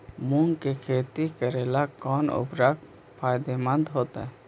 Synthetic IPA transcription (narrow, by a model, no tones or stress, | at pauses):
muŋɡkekʰeːt̪ikəɾelakɔːnʊ̰bɾak | pʰaːjd̪emə̃nd̪ɦoːt̪a̰ɦɛ